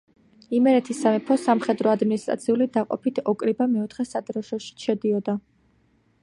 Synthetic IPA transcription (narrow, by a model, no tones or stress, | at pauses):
imɛɾɛt̪ʰisamɛpʰɔsamχɛd̪ɾɔad̪minist̪ʼɾʔa̰t̪sʰiulid̪aqʼɔ̰pʰit̪ʰɔkʼɾibamɛɔt̪ʰχɛsad̪ɾɔʃɔʃi̥ʃɛd̪iɔd̪a